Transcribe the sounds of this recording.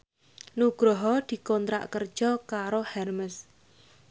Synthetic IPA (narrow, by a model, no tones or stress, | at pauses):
nuɡ̥ɾɔɦɔd̪̥i̤kɔnt̪ɾa̰ʔkər̥ʒ̥ɔkaɾohɛrməs